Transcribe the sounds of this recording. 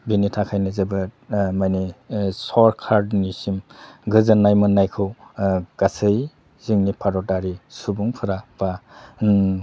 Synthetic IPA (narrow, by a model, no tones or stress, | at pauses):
binitʰakʰajnɯzebɯmajnisɔɾkʰaɾdnisimɡɯzɯnːajmɯnːajkʰɯwɡ̥asɯj | ziŋnipʰaɾɔtaɾisubuŋpʰɯɾab̥a